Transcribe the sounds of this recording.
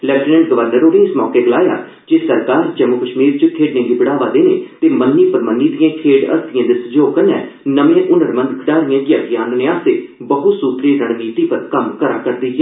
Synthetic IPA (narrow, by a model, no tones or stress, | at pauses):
lɛːʈɪnə̃ɳʈ̚ɡəʋəɾnəɾoːnẽːɪsmɔːkeːɡəlaːja̰ː | d͡ʒeːsəɾkaːɾd͡ʒɛmʊkəʃmiːɾt͡ʃəkʰeːɖnẽːɡiːbəɽaːʋaːd̪eːneːt̪eːmənːiːpəɾmənːiːd̪ɪjãːkʰeːɖə̰st̪ɪjãːd̪esəd͡ʒoːkənɛː | nəmẽːʔʊnəɾmə̃nd̪kʰɖaːɾɪjãːɡɪjaːɡɪjãːnneːaːst̪eːbəɦʊt̪suːt̪ɾiːɾəɳ̃miːt̪iːpəɾkəmkəɾaːkəɾd̪iːɦː